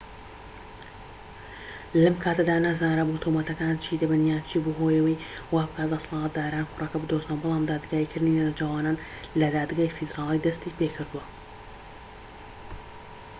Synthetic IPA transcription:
lɐmkʰaːt̪ɐd̪aːnazaːɾaːbut̪ʰomɐt̪ɐkaːnt͡ʃʰiːd̪ɐbɨnjaːnt͡ʃʰibuɦoːjɐwijwaːbɨkʰaːt̪̚d̪ɐsɑlˠɑːt̪̚d̪aːɾaːnxʊrɑkɐbɨd̪ozt̪anbɨlˠaːmd̪aːd̪ɡaːikʰɨɾd̪ninanad͡ʒaːwaːnaːn | lɐd̪aːd̪ɡaːjfid̪ɾaːlˠijd̪ɐst̪iːpeːkʰɨɾd̪uwɐ

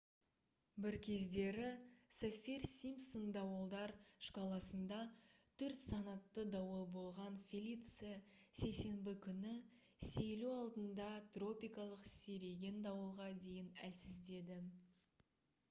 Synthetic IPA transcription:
bɪɾkʲʰe̞zd̪e̞ɾɪsofʲirsʲimsond̪ɑwəlˠd̪ɑɾʃqʰɑlˠɑsənd̪ɑ | t̪ʰɵɾt̪sɑnɑt̪ːəd̪ɑwəlˠbo̞lˠʁɑnfʲilʲit̪sɨjase̞jse̞mbɪkʲʰʏnɪ | sejluɑlˠd̪ənd̪ɑt̪ro̞pijkɑlˠəqseɾe̞ɡʲe̞nd̪ɑwəlˠʁɑd̪e̞jɪnælsɪzd̪e̞d̪ɪ

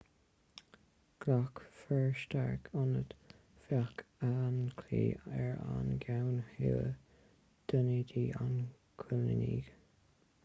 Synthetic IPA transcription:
ɡ̥lakfɛɹʃtaɹkʰʊnət̪ | fjakankʰlḭːɛɹa̰nɡawnhiw | d̪̥ənid̪iːʔan | kʰʊlnənḭːɡ̥

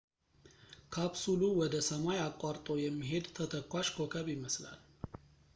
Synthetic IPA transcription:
kʰabsuluwɔd̪əsəmajakʼːaɾt̪ʼo̞jɛmːiɦe̞d̪t̪ʰət̪ʰəkʰːʷaʃkʰokʰəβɪməsla̰l

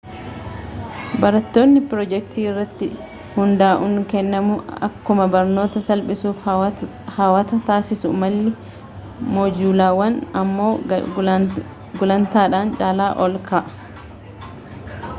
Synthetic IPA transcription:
bɐɾɐt̪ːoːnːɪpɾɔd͡ʒɛk̚t̪iːɪrːɐt̪ːɪ | hʊnd̪aːʔʊŋkɛnːɐmʊɐ̰kːʊmɐbɐɾno̞ːt̪ɐsɐlpʼɪsuːf | haːwɐt̪ɐt̪aːsɪsʊmɐlːɪ | moːd͡ʒuːlaːwɐnɐmːo̞ː | ɡʊlɐnt̪aːᶑaːnt͡ʃʼaːlaːʔɔlkaʔɐ̥

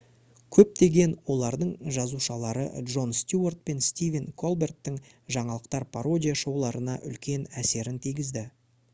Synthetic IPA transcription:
kʲʰɵp̚t̪e̞ɡʲe̞nwo̞lˠɑɾd̪əɴʒɑzuʃɑlˠɑɾə̰dʒo̞nst̪ʲjuort̪̚pe̞nst̪ʲivʲenkʰo̞lˠbert̪ːɪŋʒɑɴɑlˠəq̚t̪ɑɾpʰaɾo̞dʲijaʃo̞wlˠɑɾənɑʔʏlkʲe̞næse̞ɾɪnt̪ʰijɡʲɪzd̪ɪ

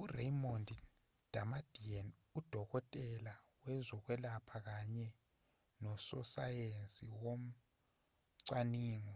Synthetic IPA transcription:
urejmondi | d̥ʱamad̥ʱian | ud̥ʱɔkɔtʼɛlawɛzɔk̬wɛlapʰak̬aɲɛ | nɔsɔ̰sajensʼiwom̩ | ǀwaniːŋɔ

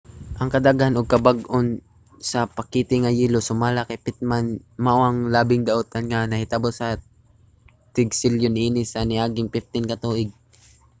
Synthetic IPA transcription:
ʔɐŋkɐd̪aɡhanʊɡ̚kɐbaɡʔon | sɐpɐkːiːt̪ɪŋɐjiːlosʊmaːlakajpɪt̪̚manmaʔoʔɐŋlaːbɪŋd̪ɐʔot̪ɐnŋanɐhɪt̪abosɐ | t̪ɪɡsɪljoniːnɪsɐnɪʔaːɡɪŋpɪft̪ɪnkɐt̪uːʔɪɡ̚

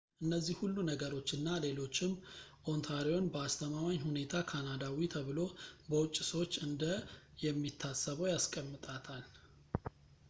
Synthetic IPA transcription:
ʔɨnːəzːihhulːunəɡəɾo̞t͡ʃːɨnːale̞lo̞t͡ʃːɪmʔo̞nt̪ʰaɾio̞nbəast̪ʰəmamaɲhune̞t̪ʰakʰanad̪awit̪ʰəβɨlo̞bəwʊt͡ʃʼːsəwot͡ʃːɨnd̪ə | jɛmːit̪ʰːasəβəwjaskʼəmːɨt̪ʼat̪ʰal

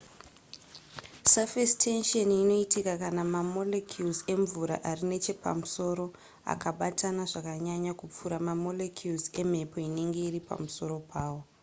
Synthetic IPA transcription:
safestʰe̞nʃonino̞itikakanamamo̞lekʰjulze̞ɱvuɾa̰ʔarine̞t͡ʃe̞pa̰muso̞ːɾo̞ | a̰kaɓatanaʐakaɲaɲakup͡fuɾamamo̞lekʰjulze̞me̞po̞ine̞ŋɡe̞iripa̰muso̞ɾo̞pʰaːwo̞

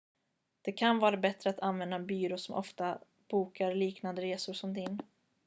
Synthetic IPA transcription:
d̪̥ɛkʰanvɑːɾabɛt̪ɾəat̪ʰanvɛnd̪abyːɾosɔmʔɔ̰ft̪a | b̥uːkaɾliːknand̪əɾeːsʊɾʂɔmd̪ɪn

